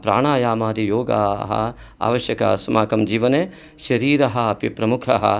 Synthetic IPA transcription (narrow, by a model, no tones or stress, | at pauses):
pɾa̰ːɳaːjaːmaːɾijoːɡa̰ːɦɐ̰ | a̰ːʋɐʃjɐka̰smaːkɐmd͡ʒiːʋɐneː | ʃɐɾiːɾɐɦɐɐpipɾɐmukʰɐɦɐ̰